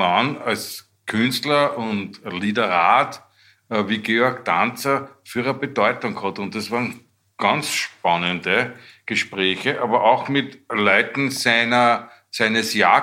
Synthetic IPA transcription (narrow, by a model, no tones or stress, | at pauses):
anals | kʰʏnstlɐʊntlitəʁaːt | viːɡeɔɐɡd̪ant͡sɐfyːɐʁəbədɔʏtʊŋkhɔt̪ʊ̃nt̚d̥ɑsvaːʁn | ɡ̥ɑnt͡sʃpanəndəɡ̥əʃpʁɛːçəʔɑːbɐʔɑʊxmɪtlɔʏtn̩sæɪnɐ | sæɪnəsjaː